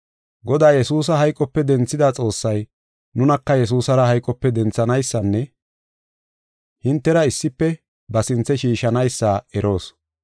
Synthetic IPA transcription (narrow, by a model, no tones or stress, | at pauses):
ɡɔd̪aːjɛsuːs̬ɐɦɐjkʼːɔpːɛd̪ɛnt͡sːɪd̪aːt͡sʼo̞ːsːɐj | nʊnɐkːɐjɛs̬uːsɐɾɐhɐjkʼːɔpːɛd̪ɛnt͡sːɐnɐjsːɐnːɛ | hɪnt̪ːɛɾɐɪsːɪpːɛ | bɐsɪnt͡sːɛʃiːʃɐnɐjsːaːɛɾo̞ːs